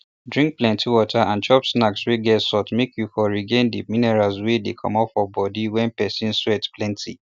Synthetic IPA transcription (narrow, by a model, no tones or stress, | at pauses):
dɹĩŋk̚plɛ̃ntiwɔtʰaãnt͡ʃɔpsnaksweɡɛtsɔtmekʰjufɔɹiɡẽndiminɛɹalswedekʰɔ̰̃mɔpfɔbɔdiwɛ̃npɛsĩnswɛtplɛ̃ntʰḭ